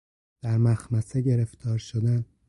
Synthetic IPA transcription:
d̪̥æɾmæxmæseɟe̞ɾeft̪ʰɒːɾʃod̪æn

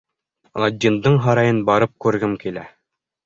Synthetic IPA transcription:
lˠɑd̪ʲːind̪ɤɴɦɑɾɑjɤnbɑɾɤp̚kʉɾɡɘmkilæ

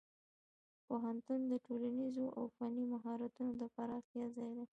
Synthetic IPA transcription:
poɦant̪und̪əʈolanizoʔa̰wfɑnimaɦɑɾat̪unod̪əpaɾɑxt̪jɑzɑjd̪e

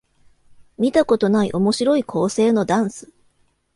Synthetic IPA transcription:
mʲit̪ako̞t̪o̞naḭʔo̞mo̞ɕiɾo̞ikʰo̞ːse̞ːno̞d̪ãɰ̃sɨ̥

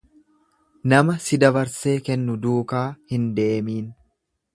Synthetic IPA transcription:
nɐmɐsɪd̪ɐbɐɾse̞ːkɛnːʊd̪uːkaːhɪnd̪eːmiːn

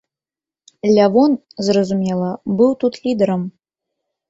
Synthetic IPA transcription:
lʲavon | zrɐzumʲelˠɐbɨwt̪ut̪ʰlʲid̪ɐɾəm

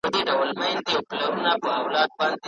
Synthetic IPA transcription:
pəd̪eɖawəlmajnd̪eawplaɾunapəawlɑd̪̚bɑnd̪e

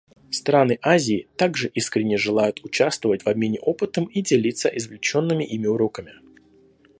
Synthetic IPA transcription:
st̪ɾanɨʔazʲɪːt̪aɡʐɨʔiskɾʲɪnʲːɪjəʐɨlˠajʊt̪ʊt͡ɕast̪vəvətʲvɐbmʲenʲɪʔo̞pɨt̪əmidʲɪlʲit̪səʔɪzvlʲɪt͡ɕo̞nːɨmʲɪʔimʲɪʊɾo̞kəmʲɪ

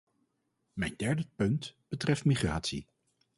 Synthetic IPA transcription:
mɛjndɛɹdəpɵntb̥ətrɛftmiχra̰ːtsḭ

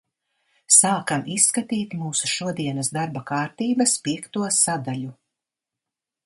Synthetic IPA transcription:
saːkamisːkat̪iːt̪muːsu̥ʃuɔd̪iɛnɐsd̪aɾbakaːɾt̪iːbɐspiɛkt̪uɔsad̪aʎu

